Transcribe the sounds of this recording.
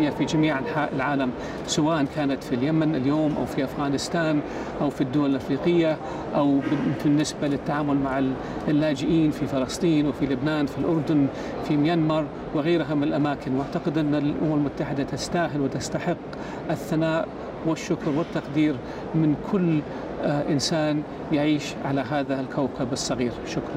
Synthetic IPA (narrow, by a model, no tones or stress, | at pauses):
jafid͡ʒamiːʕaħaʔɪlʕaːlam | sawaːʔankaːnat̪filjamanɪljoːmʔa̰wfiʔafɣaːnɪst̪aːn | ʔawfid̪ːʊwalɪlʔafɾiːqɪjːa | ʔawbɪnːɪsbalɪt̪ːaʕaːmʊlmaʕɪ | lːaːd͡ʒɪʔiːnfifɑlɑsˤt̪ˤiːnwɪfilʊbnaːnfilʔʊɾˤd̪ʊn | fimɪjanmɑɾˤ | wɪɣaːɾɦamɪnɪlʔamaːkɪnwʔaʕt̪aqɪd̪ʔɪnːalʔʊ̰mamɪlmʊt̪ːaħɪd̪at̪ɪst̪aːɦɪlwɪt̪ast̪aħɪqː | ʔɪθːanaːʔ | wɪʃːʊkɾwɪt̪ːɑqd̪iːɾ | mɪnkʰʊlː | ʔɪnsaːn | jaʕiːʃʕalaɦaːðalkʰawkʰabɑsˤːɑɣiːɾʃʊkɾˤɑnn